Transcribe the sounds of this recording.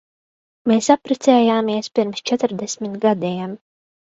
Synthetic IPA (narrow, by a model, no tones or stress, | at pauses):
meːsapːɾɛt̪sɛːjaːmiɛspʲiɾmst͡ʃɛt̪ɨɾd̪ɛsʲmʲit̪ɡad̪iːm